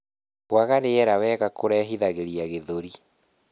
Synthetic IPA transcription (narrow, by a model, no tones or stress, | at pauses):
kwaɣaɾeɛɾawɛːɣakoɾɛɦiðaɣeɾiaɣeðoɾi